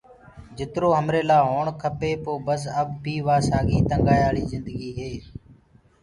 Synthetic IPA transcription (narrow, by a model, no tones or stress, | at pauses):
d͡ʒɪt̪ɾoːɦəmɾeːlaːɦoːɳkʰəpeːpoːbəs̬əbːiːʋaːsaːɡiːt̪əŋɡaːjaːɽiːzɪ̃nd̪əɡiːɦeː